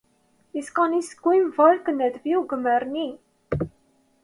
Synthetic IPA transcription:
iskɑnisə̥kwimvɔlkənːæðviuɡəmːəɾni

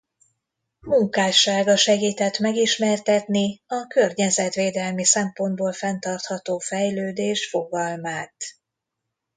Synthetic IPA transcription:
muŋkaːʃaːɡɒʃɛɡiːt̪ɛt̪mɛɡiʃmɛrt̪ɛt̪niɒkø̞rɲɛzɛt̪ʋeːd̪ɛlmisɛmpo̞nd̪boːlfɛnt̪ɒrt̪hɒt̪oːfɛjløːd̪eːʃfo̞ɡɒlmaːt̪

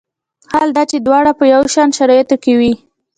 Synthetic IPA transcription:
hald̪ɑt͡ʃed̪wɑɽapəjawʃɑnʃaɾɑjat̪okewi

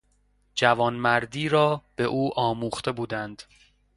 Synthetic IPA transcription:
d͡ʒævɒːnmæɾd̪iːɾɒːb̥e̞ʔuːʔɒːmuːχt̪e̞buːd̪ænd̪̥

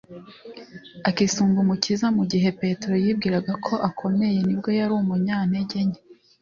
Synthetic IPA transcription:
akisuːmbumucizamuɟiɦe̞pe̞tɾojib̚ɡiːɾaɡakʰo̞ʔakʰo̞me̞je̞nibɡo̞jaɾuːmuɲaːne̞ɟeɲe

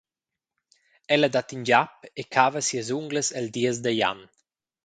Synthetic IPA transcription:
ɛləd̪at̪ind͡ʒapekʰaːvəsiəzuŋɡləsɛld̪iəz̬d̪əja̰n

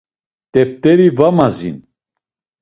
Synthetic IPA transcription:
t̪ʼɛp̚t̪ʼɛɾivamazḭn

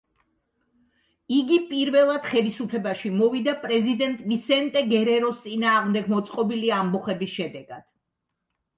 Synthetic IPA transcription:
iɡipʼiɾvɛlˠad̪̥χɛlisupʰlɛbaʃimɔvid̪apʼɾɛzid̪ɛnt̪ʼvisɛnt̪ʼɛɡɛɾɛɾɔst̪sʼinaːʁmd̪ɛɡ̚mɔt̪sʼqʼɔbiliambɔχɛbisʃɛd̪ɛɡad̪̥

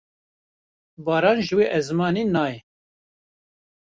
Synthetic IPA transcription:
bɑːɾɑːnʒɨweːʔɛzmɑːniːnɑːjɛ

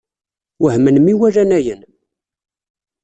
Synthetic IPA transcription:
wəhmənmiwæɾænæjən

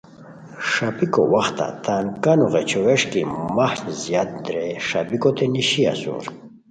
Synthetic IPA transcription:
ʂapiko̰waxt̪a̰t̪ankanuʁet͡ɕoweʂkimahnzijat̪̚d̪ɾeʂabikot̪eniɕia̰sṵɾ

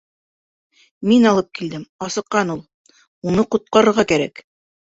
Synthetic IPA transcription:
minɑlˠɤp̚kild̪ɘmɑsɤ̆qːɑnulˠ | unɤqŭt̪̚qɑɾɤ̆ɾʁɑkæɾæ̰k

